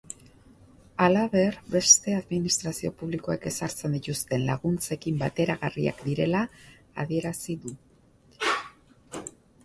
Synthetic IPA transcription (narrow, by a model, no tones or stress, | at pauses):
alaβe̞rbe̞st̪e̞aðminist̪ɾasio̞puβliko̞ḛke̞saɾt͡se̞nd̪it̪ust̪e̞nlaɣunt͡se̞kimbat̪e̞ɾaɣaria̰kd̪iɾe̞laː | ðie̞ɾasiðu